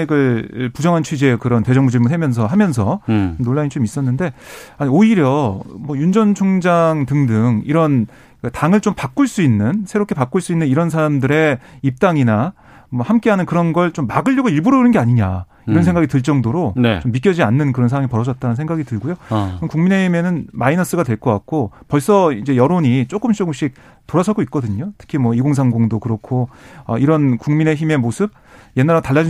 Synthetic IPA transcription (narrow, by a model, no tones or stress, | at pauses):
ɡɯɭpud͡ʑʌŋɦant͡ɕʰɥid͡ʑe̞kɯɾʌnte̞d͡ʑʌŋmud͡ʑiɭmunɦemjʌns̬ʰʌɦamjʌnsʰʌomnoɭːaɲit͡ɕomis͈ʌnːɯnde̞aɲioiɾjʌmwʌjund͡ʑʌnt͡ɕʰoŋd͡ʑaŋtɯŋdɯŋiɾʌn | ktaŋɯɭt͡ɕompak͈̚uɭs͈uinːɯnsʰe̞ɾopkʰe̞pak͈uɭs͈uinːɯniɾʌnsʰaɾamdɯɾe̞ip̚t͈aŋina | mwʌhamk͈e̞ɦanɯnkɯɾʌnɡʌɭt͡ɕomːaɡɯɭʎːʌɡoiɭbuɾʌnɯnɡe̞aɲiɲa̰ | iɾʌnsʰeŋɡaɡitɯɭt͡ɕ͈ʌŋdoɾonḛt͡ɕomːik͈jʌd͡ʑianːɯnkɯɾʌns̬ʰawaŋipʌɾʌd͡ʑʌt̚t͈aɾnɯnsʰe̞ŋɡaɡitɯɭɡojoɯmkuŋmine̞çime̞nɯnmainʌs͈ɯɡadwe̞ɭk͈ʌk͈ak̚k͈opʌɭs͈ʌid͡ʑe̞jʌɾoɲit͡ɕ͈ok͈ɯmt͡ɕ͈oɡɯmɕ͈ik̚ | toɾasʰaɡoit̚k͈ʌdɯɲotʰɯ̥kʰimwʌiɡoŋs̬ʰaŋɡoŋdokɯɾʌkʰoʌ̰iɾʌnkuŋmine̞çime̞mosʰɯb̚ | je̞nːaɾtaɭːad͡ʑi